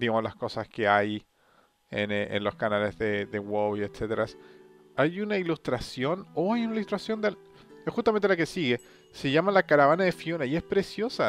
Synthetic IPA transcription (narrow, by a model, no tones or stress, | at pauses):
d̪iɣamozlasko̞saske̞aj | enḛnlo̞skanalezðeðewowiet̪set̪eɾas | ajunailust̪ɾasjo̞noajunailust̪ɾasjo̞nd̪el | esxust̪amẽnt̪elake̞siɣe̞ | se̞ʝamalakaɾaβanaðefijonaie̞spɾe̞sjo̞sa